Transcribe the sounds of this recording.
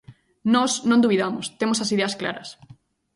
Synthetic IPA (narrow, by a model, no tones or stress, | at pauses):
nɔsnõnd̪uβiðamʊst̪emosɐsiðeɐskla̰ɾɐs